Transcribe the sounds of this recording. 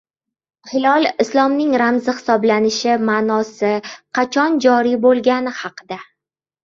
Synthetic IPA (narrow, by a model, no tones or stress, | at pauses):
hɪlɒlˠɪslˠɒmnɪŋɾamzɪχɪ̥sɒblanɪʃɪmaːnɒsɪqʰɑt͡ʃʰɒnd͡ʒɒɾibolˠɡʲanɪhɑqʰɨd̪a